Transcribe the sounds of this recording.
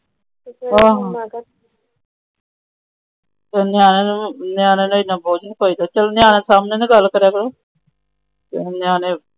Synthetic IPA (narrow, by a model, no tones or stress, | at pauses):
ɦãːɦãː | t̪enjaːneːnunjaːnẽːnãɪnãːboːd͡ʒənkoːiːt̪aːt͡ʃəlnjaːneːsaːmnẽːnẽːɡəlːkəɾɛːkəɾoː | enɪjaːneː